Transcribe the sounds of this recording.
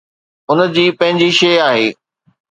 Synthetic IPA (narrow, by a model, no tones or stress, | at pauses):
ʊnəd͡ʑiːpɐ̃ɦɪ̃ɲd͡ʑiʃejaːɦeː